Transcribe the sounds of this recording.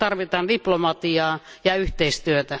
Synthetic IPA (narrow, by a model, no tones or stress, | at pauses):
t̪ɑrʋit̪ɑːndiplomɑt̪iɑːjɑyht̪eist̪yøt̪æ